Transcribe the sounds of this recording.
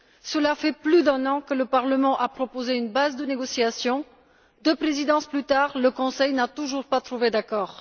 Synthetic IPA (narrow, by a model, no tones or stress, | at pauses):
səlafɛplyd̪ɛ̃nɑ̃kələpaʁləmɑ̃ʔapχɔpozeynbazd̪əneɡɔsiasjɔ̃ | d̪øpχezid̪ɑ̃splyt̪aʁləkɔ̃sɛjnat̪uʒuʁpat̪χuved̪akɔːʁ